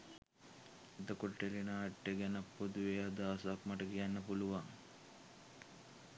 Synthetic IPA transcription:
id̪ɐkoʈːelinɐːʈːeɡenɐpːod̪uʋeɐd̪aːsaːkmɐʈɐɡijanːɐpuluʋaŋ

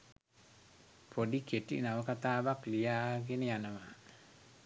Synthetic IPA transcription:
pʰodiketḭnawɔkat̪abaklijaɡɪnɪanama

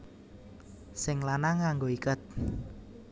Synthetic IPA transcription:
sɪŋlanaŋaŋɡoikət̪̚

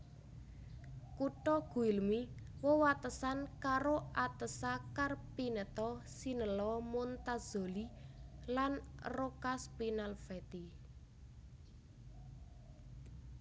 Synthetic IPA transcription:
kuʈɔɡ̥ṳilmiwəwat̪əsankaɾoʔat̪əsakarpinət̪ɔsinəlɔmont̪az̥o̤lilanrokaspinalfɛt̪i

